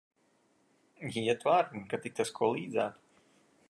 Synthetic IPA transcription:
jɛt̪vaːɾkat̪ik̚t̪askʰuɔlˠiːd̪zaːt̪

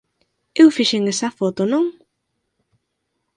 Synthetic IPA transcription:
ewfiʃeŋesɐfot̪onõŋ

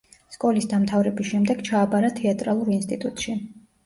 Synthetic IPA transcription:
skʼɔlisd̪amt̪ʰavɾɛbisʃɛmd̪ɛɡ̥t͡ʃʰaːbaɾat̪ʰɛat̪ʼɾalˠuɾinst̪ʼit̪ʼut̪ʼʃi

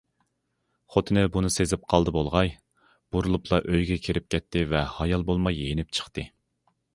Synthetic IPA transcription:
χot̪ʰɨnɨbunɨsezɪp̚qʰɑlˠd̪ɨbolˠʁɑj | b̥uɾulˠupʰlˠɑʔøjɡʲɛkʲʰeɾɪp̚kʲʰɛt̪ʰːɪvɛhɑjɑlˠbolˠmɑjenɪp̚t͡ʃʰə̥χt̪ɨ

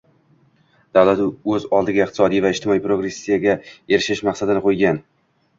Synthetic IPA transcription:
d̪̥awlat̪ʊɵzɒlˠd̪ɪɡʲaɪq̚t̪ɪ̥sɒd̪ijvaɪʃt̪ʰɪmɒipɾo̞ɡɾe̞sːijaɡʲae̞ɾɪʃɪʃmaqsad̪ɪnɪqʰojɡʲan

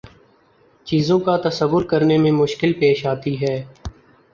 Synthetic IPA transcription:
t͡ʃiːzõkat̪ɐsəʋːʊɾkəɾnemẽmʊʃkɪlpeːʃaːt̪iɦɛː

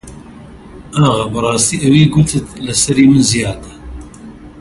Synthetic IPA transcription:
ʔɐɣɐbɨrˤɑːst̪iːʔɐwiːɡut̪ʰɨt̪lɨsɐɾiːmɨnzijaːd̪ɐ̥

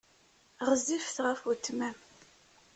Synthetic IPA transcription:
ʁəzifθʁəfut̪ːmæm

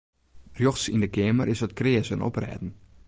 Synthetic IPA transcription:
rjoxsindəkɪəmərɪsətkrɪəsənɔ̰prɛ̰ːdn̩

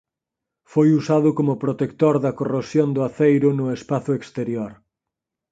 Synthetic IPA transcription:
fojusaðʊkomʊpɾot̪ekt̪oɾðɐkorosjond̪ʊaθejɾʊnʊespaθʊekst̪eɾjoɾ

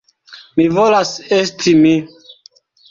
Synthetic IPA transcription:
mivolasestʰimi

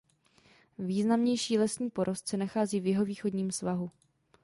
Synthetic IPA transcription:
viːznamɲɛjʃiːlɛsɲiːpo̞ɾʔo̞st̪t͡sɛnaxaːziːvjɛɦo̞viːxo̞dɲiːmsvaɦu

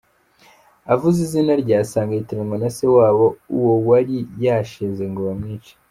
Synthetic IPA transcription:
avuzizinaɾɟaːsaːŋɡaitiɾaŋɡonase̞waːβo̞uwo̞waɾijaːʃezeŋɡoβamŋiːt͡ʃḁ

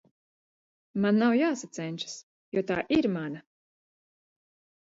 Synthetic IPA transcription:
manːawjaːsat̪sɛnʲt͡ʃḁs | jɔt̪aːʔiɾmana

